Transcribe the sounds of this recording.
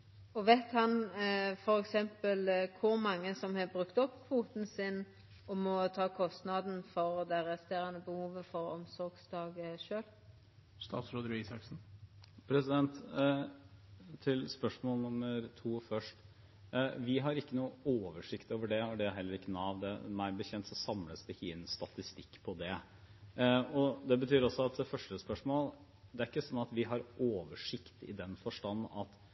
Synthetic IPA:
ɔʋɛːt̪hɑnfɔɾɛksɛmpəlkʰʊɾmɑŋːəsɔmhɑbɾʉkt̪ɔpːfuːt̪n̩sɪn | ɔmɔt̪ʰɑːkʰɔst̪nɑd̪n̩fɔɾd̪ɛʁɛst̪eːɾɑnəbəhuːʋəfɔɾɔmsɔɾɡsd̪ɑːɡəʂøːl | st̪ɑ̰ːt̪sɾoːd̪əɾisɑksn̩pʰɾɛsɪd̪ɛnt̪ | t̪ʰɪlspœʂmoːlnʊmːəɾt̪ʰuːfœʂʈ | ʋɪɦɑɾɪkːənuːəoːʋəʂɪkt̪oːʋəɖɛæɖɛæɦɛlːəɾɪkːənɑːʋd̪ɛ̰mæɪbəçɛnt̪sɔsɑmləsd̪əhinst̪ɑt̪ɪst̪ɪkːpʰɔd̪ɛ | ɔd̪ɛbət̪ʰyːɾɔsɔɑt̪̚d̪ɛfœʂʈəspœʂmoːl | d̪ɛæɾɪkːəsɔnːɑt̪ʋɪɦɑɾʔoːʋəʂɪkt̪ɪ̰d̪ɛnfɔʂʈɑn̩ːɑt̪

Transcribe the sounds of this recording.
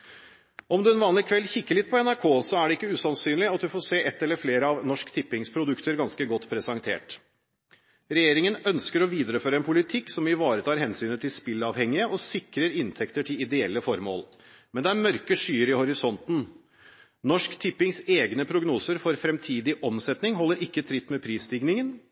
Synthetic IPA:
ɔmd̪ʉɛnʋɑːnlɪkʰʋɛlçɪkːəlɪt̪̚ːpʰɔɛnæɾkʰoːsɔæɖɛɪkːəʉːsɑnsyːnlɪɑt̪̚d̪ʉfɔːseːʔɛt̪ːɛlːəɾfleːɾəɑʋnɔʂkt̪ʰɪpːɪŋspʰɾʊd̪ʉkt̪əɾɡɑnskəɡɔt̪ːpʰɾɛsɑŋt̪ʰḛːʈ | ɾɛjeːɾɪŋənœnskəɾɔʋiːd̪əɾəføːɾəɛnpʰʊlɪt̪ʰɪkːsɔmɪʋɑːɾət̪ʰɑːɾhɛnsyːnət̪ʰɪlspɪlɑːʋhɛŋːɪəʔɔsɪkɾəɾɪnt̪ʰɛkt̪əʈʰɪlɪd̪ɛɛlːəfɔɾmo̰ːl | mɛnd̪ɛæɾmœɾkəʂyːəɾɪhɔɾɪsɔnt̪n̩ | nɔʂkt̪ʰɪpːɪŋseːɡnəpʰɾʊɡnuːsəɾfɔɾfɾɛmt̪ʰiːd̪ɪʔɔmsɛt̪nɪŋɦɔlːəɾʔɪkːət̪ʰɾɪt̪ːmɛpʰɾiːst̪ɪɡnɪŋən

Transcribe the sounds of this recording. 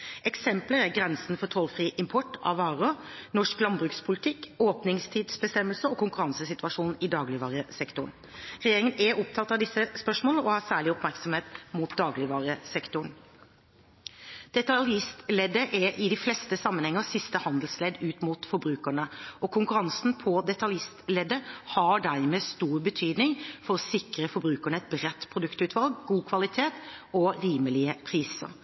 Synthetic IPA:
ɛksɛmpləɾæɡɾɛnsnfɔt̪ʰɔlfɾiːʔɪmpʰɔʈːɑ̰ʋɑːɾənɔʂklɑnbɾʉːkspʰʊlɪt̪ʰɪkːoːpnɪŋst̪ʰiːd̪sbəst̪ɛmːəlsəɔkʰʊŋkʉɾɑnsəsɪt̪ʋɑʂuːnn̩ɪd̪ɑːɡlɪʋɑːɾəsɛkt̪ʊɳn | ɾɛjeːɾɪŋənʔɛɔp̚t̪ʰɑt̪ːɑʋd̪ɪsːəspœʂmɔːlnəɔhɑːsæːɭɪɔpmæɾksɔmheːt̪muːt̪̚d̪ɑːɡlɪʋɑːɾəsɛkt̪ʊɳ | d̪̥ɛt̪ɑljɪst̪lɛd̪ːəʔɛɾʔɪd̪ɪflɛst̪əsɑmːənhɛŋːəsɪst̪əhɑnd̪əlslɛd̪ːʉːt̪muːt̪fɔɾbɾʉːkəɳəʔɔkʰʊŋkʉɾɑnsnpʰɔd̪ɛt̪ɑljɪst̪lɛːd̪ːəhɑɖæɾmeːst̪uːɾbət̪ʰyːd̪nɪŋfɔɾʁɔsɪkɾəfɔɾbɾʉːkəɳəɛt̪̚bɾɛt̪ːpʰɾʊd̪ʉkt̪ʉːt̪ʰʋɑlɡɡuːkʰʋɑlɪt̪ʰeːt̪ɔɾiːməlɪəpʰɾiːsə̰ɾ

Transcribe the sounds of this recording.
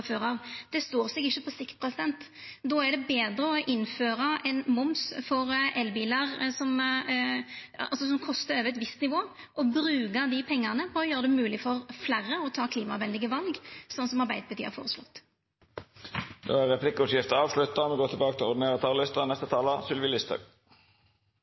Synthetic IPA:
føːʁɑʋd̪̥ɛst̪oːʁsɛɡɪçːəpʰɔsɪkt̪̚pʰɾɛsɪd̪ɛnt̪ | d̪oːæɖɛbeːd̪ɾəɔʔɪnføːɾɑʔɛnmʊmsfɔɾʔɛlbiːlɑʁsɔm | ɑlsɔsɔmkʰɔst̪əɾøːʋɛt̪ʋɪst̪nɪʋoː | ʔɔbɾʉːɡəd̪ɪpʰɛŋːɑʁnəpʰɔːjøːɾəd̪ɛmʉːlɪfɔɾflæɾːəɔt̪ʰɑːkʰliːmɑʋɛnlɪɡəʋɑlɡsɔnːsɔmɑʁbæɪd̪əbət̪yːɑ̰fo̰ːʁəslɔ̰t̪ː | d̪o̰ːæʁɛpʰlɪkːʊsjɪft̪əɑːʋslʉt̪ːɑmɛɡoːt̪ʰɪbɑːkət̪ʰɪlɔd̪neːʁət̪ʰɑːllɪst̪ənɛst̪ət̪ʰɑːləsʏlʋɪlɪst̪ʰɑ̰ːɡ

